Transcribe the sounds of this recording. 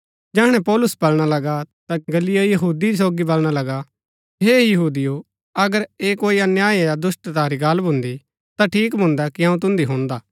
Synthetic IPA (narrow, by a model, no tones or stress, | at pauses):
d͡ʒɛːɽ̃ɛ̃pɔːlʊsbɐlɽ̃alɐɡat̪aɡɐlijojɐɦuːd̪iɾis̬oːɡibɐlɽ̃alɐɡa | ɦejɐɦuːd̪ijo | ɐɡəɾeːkoːiɐnjaːiejad̪ʊsʈ̪t̪aːɾiɡɐlbʱʊ̃nd̪i | t̪aʈʰiːkbʱʊ̃nd̪akiãːũt̪̬ʊ̃nd̪iɦõːnd̪aː